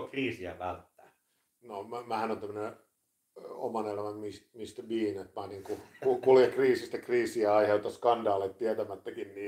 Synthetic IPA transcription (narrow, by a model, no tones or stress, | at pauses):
kriːsiæ̰ʋælt̪ːæː | nommæhænont̪æmːəne | o̰mɑnelæmæmist̪mist̪æʋiːnet̪mɑːniŋkukukuljekriːsist̪ækriːsiæɑiheut̪ɑskɑndɑːlet̪t̪iæt̪æmæt̪ːækinniː